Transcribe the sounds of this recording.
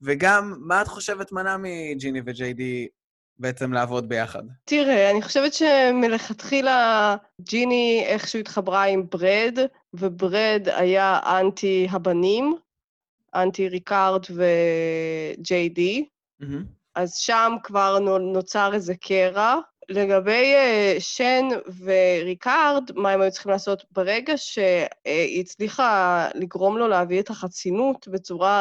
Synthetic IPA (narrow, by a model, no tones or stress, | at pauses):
veɡamːaːtχo̞ʃevetmanamid͡ʒinived͡ʒejdi | beet͡semlaavo̞d̚bejaχa̰dtiʁeaniχo̞ʃevetʃemile̞χatχila | d͡ʒinieχʃuit̪χabʁaimbʁed | vebʁeda̰jaʔantiɦabanim | ʔantiʁikaʁdve | d͡ʒejdi | ʔazʃamkvaʁnot͡saʁezekʰeʁale̞ɡabe̞jʃenveʁikaʁdmaemajutt͡sli̥χimlaːso̞tbeʁeɡaʃe̞it͡sliχaliɡʁo̞mlo̞leavietaχat͡sinutbe̞t͡suʁa